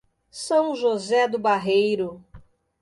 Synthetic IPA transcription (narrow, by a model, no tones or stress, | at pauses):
sɐ̃w̃ʒozɛd̪ʊbaɦejɾʊ